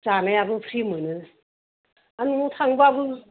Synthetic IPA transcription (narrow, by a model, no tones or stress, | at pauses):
zanajabɯpʰɾimɯnɯ | anumutʰaŋbɯabɯ